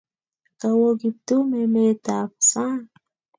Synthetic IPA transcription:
kawoɡip̚t̪umemet̪aːpsa

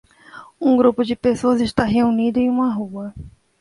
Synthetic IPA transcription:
ũɡɾupʊd͡ʒɪpesoɐzɪʃt̪aɦeunid̪ʊẽj̃ũmɐɦuɐ

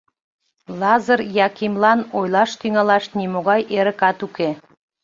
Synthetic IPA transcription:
lɑzərjɑkimlɑnojlɑʃt̪yŋɑlɑʃnimoɣɑjʔeɾə̆kɑt̪uke

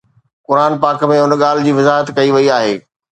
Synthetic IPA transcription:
kʊɾaːnpaːkmẽʊnɠaːl̤ɪd͡ʑiːʋɪzaːɦət̪kɐiʋɐiaːɦeː

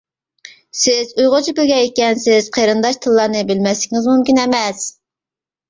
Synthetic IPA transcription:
sɪzujʁʊt͡ʃʰibɪlɡʲɛikʲɛnsɪz̥qʰeɾɨnd̪ɑʃt̪ʰɨlˠːɑɾnɨbɪlmɛslɪkʲŋɨzmumkʲinɛmɛs

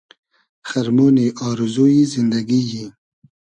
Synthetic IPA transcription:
xaɾmoːniʔɑːɾɪzuizind̪aɡiji

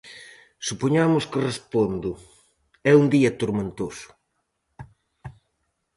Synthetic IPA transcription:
supoɲamʊskɪrespond̪ʊ | ɛund̪iɐt̪oɾment̪osʊ̥

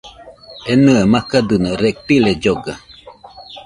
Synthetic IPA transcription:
enɨamakad̪ɯnoɾek̚t̪iled͡ʒoɡa

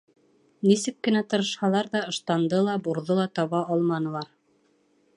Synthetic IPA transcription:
nisɘkːɘ̆næt̪ɤ̆ɾɤ̆ʃhɑlˠɑɾðɑɤ̆ʃt̪ɑnd̪ɤlˠɑbuɾðɤlˠɑt̪ɑβɑɑlˠmɑnɤ̆lˠɑɾ

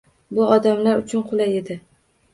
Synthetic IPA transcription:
bʊɒd̪amlaɾʊt͡ʃʰʊnqʰʊlaje̞d̪ɪ

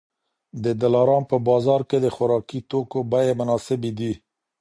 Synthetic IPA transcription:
d̪əd̪alɑɾɑnpəbɑzɑɾked̪əxʊɾɑkit̪okobajemʊnɑsɪbed̪i

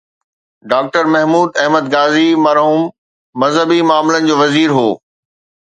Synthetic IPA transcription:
ɖaːk̚ʈəɾmɐɦmuːd̪ɐɦməd̪̚ɡaːzimɐɾɦuːmː | ɐzɦəbimaːmlənɪ̆d͡ʑoːʋɐziːɾɦoː

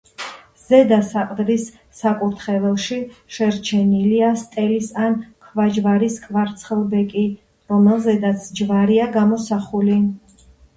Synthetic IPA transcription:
z̥ɛd̪asaqʼd̪ɾisː | akʼuɾt̪ʰχɛvɛlʃiʃɛɾt͡ʃʰɛniliast̪ʼɛlisankʰvad͡ʒvaɾiskʼvaɾt̪sʰχɛlˠbɛkʼi | ɾɔmɛlˠzɛd̪at̪sʰd͡ʒvaɾiaɡamɔsaχuli

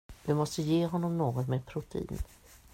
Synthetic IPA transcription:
vɪmɔst̪əjeːɦɔnːɔmnoːɡɔt̪meːd̪̚pʰɾʊt̪ʰɛḭːn

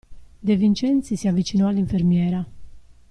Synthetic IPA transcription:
d̪evint͡ʃɛnt̪sisiavit͡ʃinɔaliɱfɛɾmjɛːɾa

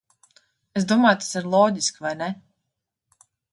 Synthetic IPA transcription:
es̬d̪uɔmaːjt̪ḁsiɾlˠɔːɟʲiskvajnɛ

